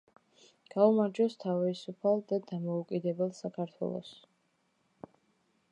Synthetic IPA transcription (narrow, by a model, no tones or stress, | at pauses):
ɡ̥aumaɾd͡ʒɔst̪ʰavisupʰalˠd̪ad̪amɔukʼid̪ɛbɛlˠsakʰaɾt̪ʰwɛ̰lˠɔ̰s